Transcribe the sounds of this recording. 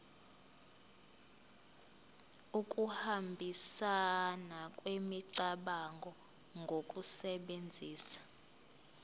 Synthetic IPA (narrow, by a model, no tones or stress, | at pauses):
uk̬ʼuhambʱisanakʼwemiǀaɓaŋɡʱɔ | ŋɡʱokʼusɛɓend͡zʱiːsḁ